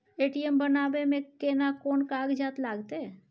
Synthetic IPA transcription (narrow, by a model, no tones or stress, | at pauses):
eːʈiɛmbənaːbemẽkeːnakɔːnkaːɡd͡ʒaːt̪laːɡt̪eɦɛ